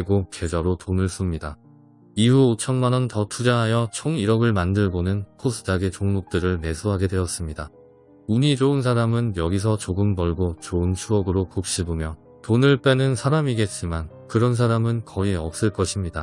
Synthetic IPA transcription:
eɡoke̞d͡ʑʌɾotonɯɭs͈umɲida | ihuot͡ɕʰʌnmanʌntʌtʰud͡ʑaɦajʌt͡ɕʰoŋiɾʌɡɯɭmandɯɭɡonɯnkʰos͈ʰɯ̥d͡ʑaɡet͡ɕoŋmop̚t͈ɯɾɯɭne̞sʰoɦaɡe̞dwe̞ʌs͈ɯmɲida | uɲid͡ʑoɯns̬ʰaɾamɯnjʌɡis̬ʰʌt͡ɕoɡɯmbʌɭɡot͡ɕoɯnt͡ɕʰuʌɡɯɾokop̚ɕ͈ibomjʌ | tonɯɭp͈e̞nɯnsʰaɾamiɡe̞t̚t͡ɕ͈iman | kɯɾʌns̬ʰaɾamɯnkʌiʌk̚s͈ɯɭk͈ʌɕʰimɲida

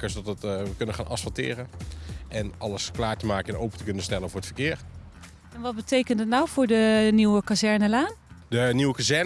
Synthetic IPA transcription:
kəsdɑtətəkɵnənχaːnʔɑ̰sfɑlˠtɪ̰ːɾəʔɛnʔɑləsklaːɹtəmaːkəɛnowpəntəkɵnənstɛlənvʊːɹətfəkɪːɹ | ɛnʋɑd̚bətejkəndətnawvʊːɹdəniwəkazɛɹnəlaːndəniwəkazɛɹ

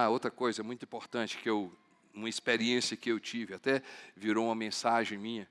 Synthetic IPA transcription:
aowt̪ɾɐkojzɐɛmũj̃t̪ĩpoɾt̪ɐ̃t͡ʃɪ̥kɪew | ũmɐispeɾiẽsiɐkɪewt͡ʃivɪat̪ɛviɾoũmɐmẽsaʒẽj̃mĩɲɐ

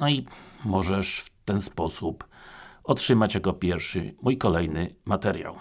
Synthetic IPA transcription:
nɔimɔʐɛʂft̪ɛnspɔsupɔtʂɘmat͡ɕjakɔpʲjɛɾfʂɘ̰mujkɔlɛjnɘmat̪ɛɾʲja̰w

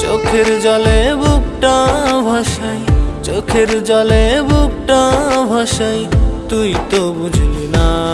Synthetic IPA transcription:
t͡ɕokʰeɾd͡ʑɔlebukʈabʱaʃajt͡ɕokʰeɾd͡ʑɔlebub̚ʈabʱaʃajt̪ujt̪obud͡ʑʱlina

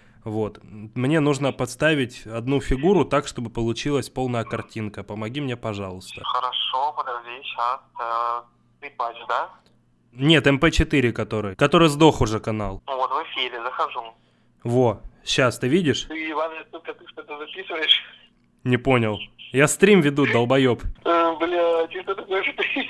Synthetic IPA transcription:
vo̞t̪mnʲe̞nuʐnəpɐt̪st̪avʲɪtʲɐd̪nufʲɪɡuɾʊt̪akʂt̪o̞bɨpəlˠʊt͡ɕilˠəsʲpo̞lˠnəjəkɐrtʲinkəpəmɐɡʲimnʲepɐʐɑlˠʊst̪ə̰xəɾɐʂopəd̪ɐvʲeɕɐt̪ | t̪ɨpad͡ʒd̪a | nʲe̞t̪ɛmpɛt͡ɕɪt̪ɨɾʲɪkɐt̪o̞ɾɨjkɐt̪o̞ɾɨjzd̪o̞xʊʐɛkɐnalˠvot̪vɨfʲiɾʲɪzəxɐʐu | vo̞ɕːast̪ɨvʲidʲɪʂt̪ɨɪvanʲɪst̪olʲkɐt̪ɨʂt̪ot̪əzɐpʲisɨvəjɪʂ | nʲɪpo̞nʲɪlˠjast̪ɾʲimvʲɪd̪ud̪əlˠbɐjopəbɨlʲat͡ɕist̪ət̪ɐkojʂʲɪt̪ɨ

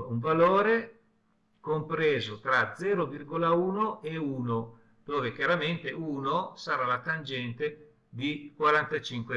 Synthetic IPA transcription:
uɱvaloːɾe | kompɾeːzot̪ɾad̪zɛːɾovirɡolauːnoʔeuːno | d̪̥oːvekjaɾament̪euːnosaɾalat̪and͡ʒɛnt̪e | d̪ikwaɾant̪at͡ʃiŋkwe

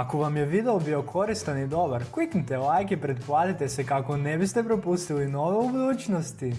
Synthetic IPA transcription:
akoʋamjeʋid̪eobio̞kʰo̞ɾist̪anid̪o̞baɾkliknit̪elˠajkepɾed̪plˠat̪it̪esekako̞nebist̪epɾo̞pust̪ilino̞ʋeubud̪uːt͡ɕnost̪i

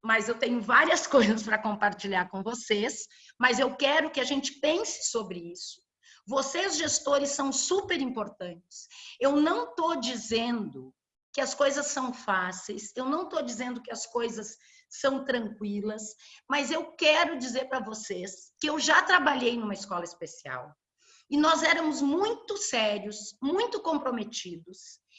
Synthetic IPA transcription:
mɐzewt̪ẽɲʊvaɾiɐskojzɐspɾɐkõmpaɾt͡ʃiʎaɾkõvoses | mɐzewkɛɾʊkɪaʒẽnt͡ʃɪ̥pẽsɪ̥sobɾɪisʊ̥ | vosezʒest̪oɾɪsːɐ̃w̃supeɾĩmpoɾt̪ɐ̃nt͡ʃɪ̥sewnɐ̃w̃t̪od͡ʒizẽnd̪ʊ | kɪɐskojzɐsːɐ̃w̃fasejsewnɐ̃w̃t̪od͡ʒizẽnd̪ʊkɪɐskojzɐsː | ɐ̃w̃t̪ɾɐ̃ŋkwilɐsmɐzewkɛɾʊd͡ʒizeɾpɾɐvoseskɪewʒat̪ɾabaʎejnũmɐiskɔlɐɪspesia̰w | ɪnɔzɛɾɐmʊzmũj̃t̪ʊsɛɾjʊsmũj̃t̪ʊkõpɾomet͡ʃid̪ʊs

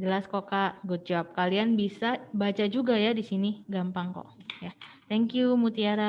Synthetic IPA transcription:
d͡ʒəlaskokaʔɡʊt̪̚d͡ʒawap̚kalianbisabat͡ʃad͡ʒuɡajadisiniɡampaŋkɔ̰ja | t̪ɛŋkjumut̪iaɾa

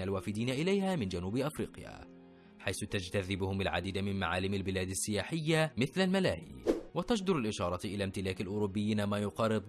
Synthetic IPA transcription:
alwaːfɪd̪iːnaʔɪlajhaːmɪnd͡ʒanuːbʔafɾḭːqja̰ː | ħajθʊt̪ad͡ʒt̪aðɪbʊhʊmalʕa̰d̪iːd̪amɪnma̰ʕaːlɪmalbɪlaːd̪asːɪjaːħɪjːamɪθlalmala̰ːhḭːwat̪aʃd̪ʊɾalʔɪʃɑːɾˤɑʔɪlaːmt̪ɪlaːkalʔʊɾʊbːɪjːiːnamaːjʊqɑːɾɨd̪ˤ

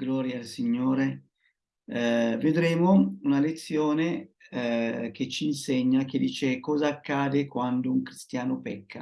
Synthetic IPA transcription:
ɡlɔːɾjaːlsiɲːoːɾe | ved̪ɾeːmounalet̪sːjoːne | k̟et͡ʃːiːnseɲːak̟ed̪iːt͡ʃekɔːzaːkːaːd̪ekwand̪ouŋkɾist̪jaːnopɛkːa

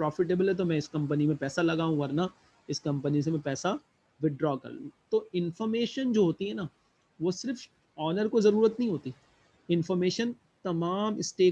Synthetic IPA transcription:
pɾɔːfɪʈ̬eːbəlɦɛt̪̬omɛ̃ɪskɐ̃mp̬ənimẽpɛːsalɐɡaːɦũʋɐɾna | ɪskɐ̃mpənis̬emɛ̃pɛːsa | ʋɪɖɾɔːkɐ̰ɾlṵ̃ːt̪oɪnfɔɾmeːʃənd͡ʒoːɦoːt̪iɦɛnaː | ʋosɪɾf | ɔːnəɾkozɐɾuːɾət̪nɐɦĩɦoːt̪i | ɪnfɔːɾmeːʃən | t̪ɐmaːmɪsʈeː

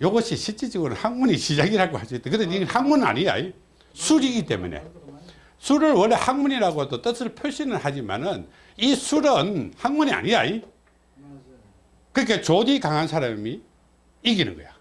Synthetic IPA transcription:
joɡʌɕʰiɕʰit͡ɕ͈id͡ʑiɡɯɾɯnhaŋmuɲiɕid͡ʑaɡiɾaɡohasuit͈ːekɯdeihaŋmunɯna̰ɲiɲa̰ji | sʰuɾiɡit͈e̞̰mune̞̰ | sʰuɾɯɭwʌɭːehaŋmuɲiɾaɡoedot͈ʌsʰɯɭpʰjoɭɕ͈inɯnhad͡ʑima̰nɯn | isʰuɾɯnhaŋmuɲia̰ɲiɲa̰i | kɯɾikʰet͡ɕodikaŋɦansʰaɾami | iɡinɯ̰nɡʌ̰jo

